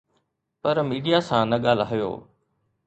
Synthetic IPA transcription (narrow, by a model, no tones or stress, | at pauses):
pɐɾmiːɖijasãːnɐɠaːlaːijo̰ː